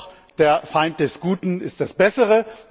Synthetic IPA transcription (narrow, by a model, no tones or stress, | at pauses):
d̥eːɐfaɪnt̚d̥ɛsɡ̥uːtn̩ɪst̚d̥asb̥ɛsəʁə